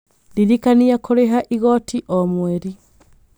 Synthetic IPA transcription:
diɾikaniakoɾeɦaʔiɣɔtiʔɔmwɛɾi

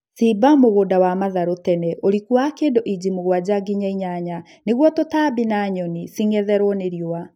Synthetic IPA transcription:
sibamoɣoːdawamaðaɾotɛnɛʔoɾikwakeːndoʔid͡ʑimoɣwad͡ʑaɡiɲaiɲaɲa | neɣwɔtotabinaɲɔnisiŋɛðɛɾwɔneɾjowa

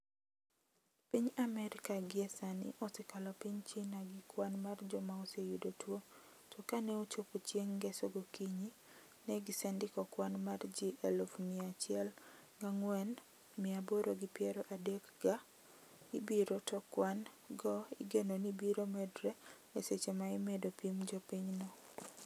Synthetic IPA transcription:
piɲamɛɾɪkaɡɪɛsanɪ̰ʔɔsɛkalɔpiɲt͡ʃinaɡɪkwanmard͡ʒɔmaosejudotwo | tʰɔkanɛot͡ʃopot͡ʃjeŋɡɛsɔɡokiɲi | nɛɡɪsɛndɪkɔkwanmard͡ʒiʔɛlofmiat͡ʃɪɛl | ɡaŋwɛn | mɪaboɾoɡipjɛɾɔʔadɛkɡa | ibiɾotɔkwan | ɡɔɪ̰ɡenonibiɾomɛdɾɛ | eset͡ʃemaɪmɛdopimd͡ʒɔpiɲnɔ

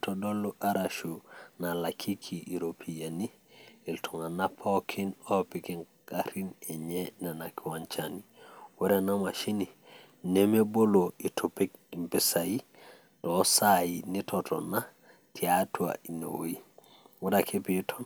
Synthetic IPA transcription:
todolːuʔaɾaʃunalakʰikʰiiɾopʰijaniiltʰuŋanapʰokʰinopikiŋ | kaɾineɲenenakiwant͡ʃaniweɾenamaʃini | nemeboloitopek̚impesaji | tosajinitʰoto̰na | tʰiatua̰ino̰wo̰i | wudakʰepitʰon

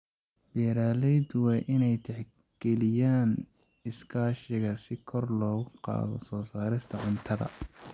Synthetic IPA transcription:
b̥ɛːɾaːlɛjd̪ʊwɑːʔɪnɛjt̪ʰɛħ | ɡ̥ɛlɪjaːn | ɪskʰaːʃɪɣɐsɪkʰɔrlɔːɣʊqɑ̰ːðɔsɔːsaːɾɪst̪ʰɐʕʊnt̪ʰɐðɐ̰

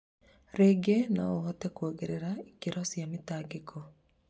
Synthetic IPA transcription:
ɾeɡenaoɦɔtɛkwoɡeɾeɾaikeɾɔsjamɪtaːɡekʰɔ

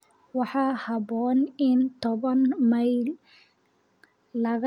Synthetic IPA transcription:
wɑħɑːhɑbɔːnɪnt̪ʰɔβɐnmɐjl | lɐɣ

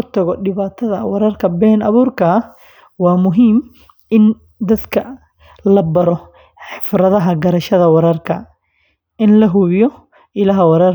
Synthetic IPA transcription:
ʊt̪ʰɐɣɔɖɪβaːt̪ʰɐðɐ̰wɑɾɐrkʰɐbɛːnɐβuːrkʰɐ | wɑːmʊɦiːm | ɪn | d̪ɐd̪kʰɐ | lɐbɐɾɔ | ħɪfɾɐðɐɦɐɡɐɾɐʃɐðɐwɑɾɐrkʰɐ̰ | ʔɪnlɐɦʊβɪjɔ | ɪlɐɦɐwɑɾɐr

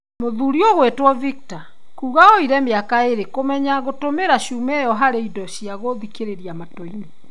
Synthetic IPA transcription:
moðuɾiɔɣwetwɔvik̚ta | kuːɣaɔiɾɛmeakaeɾekomɛɲaɣotomeɾaɕumɛjɔɦaɾeidɔɕiaɣoðikeɾeɾiamatoine

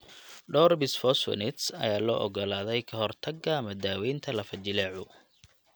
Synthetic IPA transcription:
ɖɔːrbɪsfɔswɛ̰nɪt̪sɐ̰jaːlɔːʔɔɡɔlaːðɛjkʰɐɦɔrt̪ʰɐɡɡɐmɐd̪aːwɛjnt̪ʰɐlɐfɐt͡ʃɪlɛːʕʊ

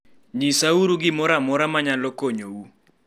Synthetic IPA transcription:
ɲisauɾuɡɪmɔɾamɔɾamaɲalɔkoɲowu

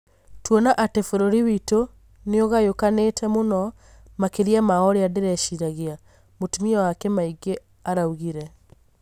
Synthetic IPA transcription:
twɔnaʔatɛfoɾoɾiwito | neoɣajokanetʰɛmonɔ | makeɾiamaɔɾeadeɾɛʃiɾaɣea | motumiɔwakɛmaiɡe | aɾauɣiɾɛ

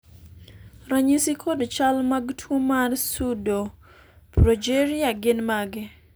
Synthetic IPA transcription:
raɲisikʰodt͡ʃalmaɡtʰwomarsudo | pɾod͡ʒeɾiaɡɪnmaɡɪ

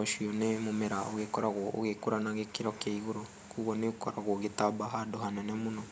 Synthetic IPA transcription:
ɔʃwiɔnemomeɾaoɣekɔɾaɣwɔo̰ɣekoɾanaɣekiɾɔkjaiɣoɾo | kuɣɔneokɔɾaɣwɔɣetabaɦadoɦanɛnɛmunɔ

